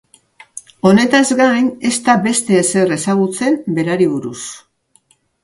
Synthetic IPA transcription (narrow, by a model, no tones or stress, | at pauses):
o̞ne̞t̪azɡajne̞st̪abe̞st̪e̞ːse̞resaɣ̞ut͡se̞mbe̞ɾaɾiβuɾus